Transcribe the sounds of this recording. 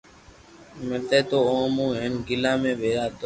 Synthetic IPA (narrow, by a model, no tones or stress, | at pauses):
met̪eːt̪oːõːmũːɦenɡɪlãːmẽːʋeːjaːt̪